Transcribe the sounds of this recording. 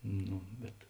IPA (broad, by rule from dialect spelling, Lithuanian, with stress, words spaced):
ˈnuː bʲɛt